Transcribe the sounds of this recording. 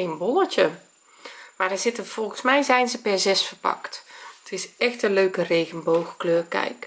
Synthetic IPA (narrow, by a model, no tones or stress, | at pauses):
enboləcə | madəz̥ɪtəv̥ɔlˠɣənsmɛjzɛjnzəpɛɹzɛsfərpɑ̰kttʰɪsɛxtəløːkəreːɣənbowɣkløːrkɛ̰jk